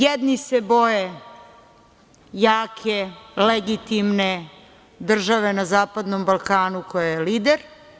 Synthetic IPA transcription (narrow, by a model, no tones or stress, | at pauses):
jed̪nisebo̞je | jaːkʰeleɡit̪imne | d̪r̩ʒaʋe̞nazaːpad̪nombalˠkaːnukojajeliːd̪eɾ